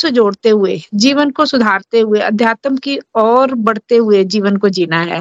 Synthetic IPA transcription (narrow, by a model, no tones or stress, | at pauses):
sd͡ʒoːɽt̪eɦʊed͡ʒiːʋənkosʊd̪ʱaːɾt̪eɦʊeɐ̰d̪ʱjaːt̪əmkiɔːɾbɐɽ̤t̪eɦʊed͡ʒiːʋənkod͡ʒiːnaɦɛ̰ː